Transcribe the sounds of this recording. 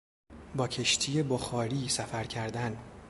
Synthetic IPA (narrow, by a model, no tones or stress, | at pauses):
bɒːcʰe̞ʃt̪ʰiːje̞boxɒːɾiːsæfæɾcʰæɾd̪æn